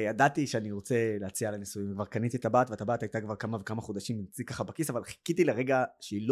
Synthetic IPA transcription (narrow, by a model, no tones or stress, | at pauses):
jad̪at̪iʃeaniʁo̞t͡se̞leat͡sialenisujimkvaʁkanit̪it̪abaːt̪veat̪abaːtajt̪akvaʁkamavekamaχod̪aʃimimt͡sikaχabakisavalχi̥kit̪ileʁeɡaʃeilo